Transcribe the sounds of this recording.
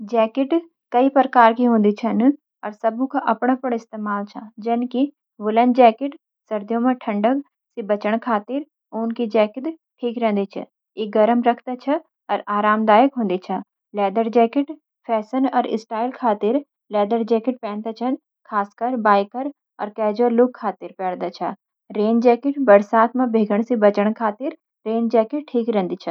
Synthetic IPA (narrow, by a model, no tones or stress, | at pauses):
d͡ʒɛːkɪʈ | kɐipɾəkaːɾkiɦõːn̆d̪it͡ʃʰɐn | ɔːɾsɐbʱũkaʔɐpɽ̃apɐɽɪst̪eːmaːlt͡ʃʰɐd͡ʒɐnki | ʋʊlənd͡ʒɛːkɪʈ | sɐɾd̪jõmẽʈʰɐ̃ɳɖək̚ | sibɐt͡ʃəɽ̃kʰaːt̪ɪɾ | oːnkid͡ʒɛːkɪt̪ | ʈʰiːkɾɛ̃ːnd̪it͡ʃʰɐ̰ | eɡɐɾəmɾɐkʰt̪at͡ʃʰɐ | ɔːɾʔaːɾaːmd̪aːjəkɦõːnd̪it͡ʃʰɐ | lɛːd̪əɾd͡ʒɛːkɪʈ | pʰɛːsənɔːɾɪ̰sʈaːɪlkʰaːt̪ɪɾ | lɛːd̪əɾd͡ʒɛːkɪʈ̚pɛ̃ːnt̪at͡ʃʰɐn | kʰaːskɐɾbaːɪkəɾ | ɔ̰ːɾkɛːd͡ʒoɾlʊkʰːaːt̪ɪɾpɛːɽd̪at͡ʃʰɐ | ɾeːnd͡ʒɛːkɪʈbɐɾsaːt̪ʰmãbʱeːɡʱəɽ̃sĩbɐt͡ʃəɽ̃kʰaːt̪ɪɾ | ɾeːnd͡ʒɛːkɪʈ̚ʈʰiːkɾɛ̃ːnd̪it͡ʃʰɐ